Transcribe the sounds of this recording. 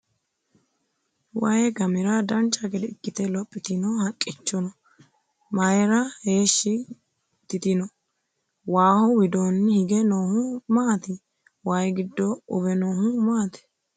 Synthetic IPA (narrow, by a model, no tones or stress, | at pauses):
wɐjɛɡɐmɪɾɐd̪ɐnt͡ʃʼːɐɡɛd̪ɛɪkːɪt̪ɛlɔpʼːɪt̪ɪnɔhɐkʼːɪt͡ʃːɔnɔ | mɐjɛɾɐhe̞ːʃːɪ | t̪ːɪt̪ɪnɔ | waːhɔwɪd̪onːhɪɡɛnoːhʊmaːt̪ɪ | wɐjɡɪd̪ːɔʊbɛnoːhʊmaːt̪ɪ̥